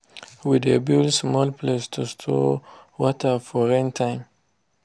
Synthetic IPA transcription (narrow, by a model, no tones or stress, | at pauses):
widebilsmɔlpʰlestʰustʰɔ̰wɔtʰəfɔɹɛ̃ntʰãɪ̃m